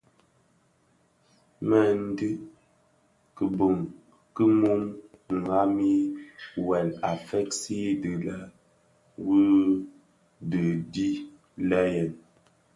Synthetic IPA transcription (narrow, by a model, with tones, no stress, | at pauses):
mə˨n̩˦dɨ˦ | kə˨bu˨ŋ | kə˦mu˦mŋ˨a˦mi˦wɛ˨la˨fɛ˦k̚si˦dɨ˨lə˦ | wu˦ | də˨di˦ | lə˦jɛ˨n